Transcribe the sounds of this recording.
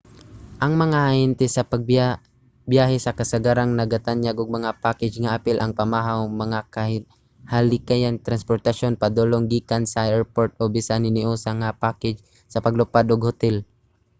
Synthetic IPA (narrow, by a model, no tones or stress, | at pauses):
ʔɐŋmɐŋaʔaʔɛnt̪ɛsɐpɐɡ̚ | bjaːɦɛsɐkɐsaɡaɾaŋnɐɡɐt̪anjaɡoɡ̚mɐŋapaːkɛd͡ʒŋaʔapɪlʔɐŋpamaɦawmɐŋaka | halɪkajaŋt̪ɾanspoɾt̪ɐʃonpɐd̪oloŋɡiːkansaɛɹpoɹt̪̚ʔobɪsanɪnɪʔosaŋapaːkɛd͡ʒ | sɐpɐɡlʊpad̪oɡhʊt̪ɛl